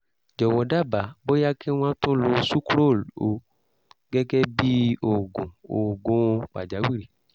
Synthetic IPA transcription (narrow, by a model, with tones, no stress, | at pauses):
d͡ʒɔ˨wɔ˨da˦ba˨bo˦ja˦kʰe˦w̃ã˦t̪ɔ̃˦lo˧˦su˦klo˦˨lo˨ | ɡɛ˦ɡɛ˦bi˦o˨ɡõ˨o˨ɡõ˦˧k͡pa˨d͡ʒa˨˦wi˦ɾi˨